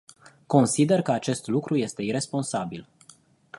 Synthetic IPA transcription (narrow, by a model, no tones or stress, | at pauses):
ko̞nsid̪e̞rkəat͡ʃe̞st̪lukɾuje̞st̪e̞iɾe̞spo̞nsabil